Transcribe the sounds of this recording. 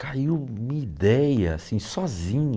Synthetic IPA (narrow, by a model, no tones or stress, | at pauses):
kaiwmĩid̪ɛjɐa̰sĩsɔzĩɲ